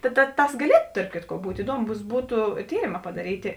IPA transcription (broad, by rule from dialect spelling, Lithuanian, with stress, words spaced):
tɐ tɐ ˈtɐs ɡɐˈlʲiɛtʊ tɐrp ˈkʲɪtkoː ˈbuːtʲ ɪˈduɔmʊs ˈbuːtʊ ˈtʲiːrʲeːmɐ pɐdɐˈrʲiːtʲeː